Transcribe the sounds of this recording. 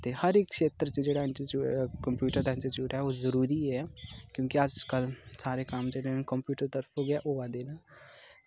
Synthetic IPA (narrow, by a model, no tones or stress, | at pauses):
t̪ehəɾɪkːʃeːt̪ɾət͡ʃed͡ʒeːɽaːɪ̃ɳʈət͡ʃuːkəmpjuːʈəɾt̪ɛnsit͡ʃjuːʈɦɛːoːzəɾuːɾiɦɛkjõːkiəd͡ʒkəlsaːɾekamd͡ʒeːɽekəmpjuːʈəɾt̪əɾpʰoːɡɪaːʔoːaːd̪eːnaː